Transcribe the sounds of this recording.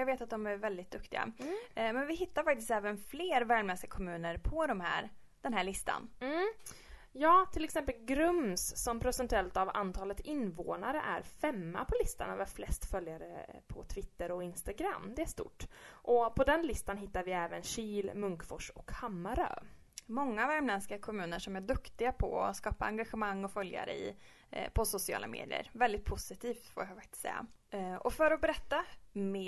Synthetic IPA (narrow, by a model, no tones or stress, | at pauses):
jɑɡveːt̪at̪̚d̪ɔmæɾvɛld̪ɪt̪̚d̪ɵkt̪ɪɡa̰mɛnvɪhɪt̪ːaɾfakt̪ɪst̪ɛːvənfleːɾvæːɭmɛsɪɡakʰɔmʉ̟ːnəɾpʰɔd̪ɔmɦæ̰ːɾ | d̪̥ɛnɦæːɭɪst̪ʰa̰nm̩ː | jɑːt̪ʰɪlɛksɛmpəlɡɾɵmsːɔmpʰɾʊsɛnt̪ʉɛlt̪ava̰nt̪ʰɑːlət̪ɪnvo̰ːnaɾə̰ʔæ̰ɾfɛmːa̰pʰɔlɪst̪a̰na̰vɛɾflɛst̪fœljaɾəpʰɔt̪ʰvɪt̪ːəɾɔɪnst̪aɡɾa̰mːd̪ɛæʂt̪ṵʈːʔɔpʰɔd̪ɛnlɪst̪anɦɪt̪ːaɾvɪɛːvənɕiːlmɵŋkfɔʂɔkhamːaɾœ̰ː | mɔŋːavæɾmlɛnskakʰɔmʉ̟ːnəʂɔmæɖɵkt̪ɪɡapʰɔ̰ɔskɑːpaaŋɡaɧəmaŋːɔfœlja̰ɾə̰ɪ̰ | pʰɔsʊsɪɑ̰ːlamʔḛːd̪ɪ̰ə̰ɾvɛld̪ɪt̪̚pʰʊsɪt̪ʰiːft̪fo̰ːɾjafakt̪ɪ̥t̪sɛ̰jːa̰ʔɔfœɾɔbɛɾɛt̪ːamɛ